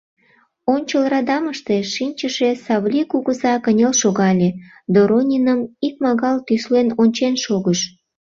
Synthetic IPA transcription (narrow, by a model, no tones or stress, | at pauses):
onʲt͡ɕəlrɑd̪ɑməʃt̪eʃinʲt͡ɕəʃesɑβlʲikuɣəzɑkənʲelʃoɣɑlʲe | d̪oɾonʲinəmik̚mɑɣɑlt̪yslenonʲt͡ɕenʃoɣəʃ